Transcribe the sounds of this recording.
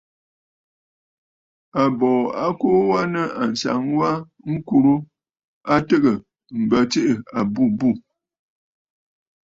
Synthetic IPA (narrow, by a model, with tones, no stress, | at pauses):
a˨bɔː˨a˦ko˦wa˦nə˦a˨n̩˨sa̰˨˦ŋwa˦ | ŋ̩˦ku˨ɾu˦ | a˦tə˦ɣə˨ | m̩˨bə˨t͡ʃe˦ʔə˨a˨bu˦˨bu˦˨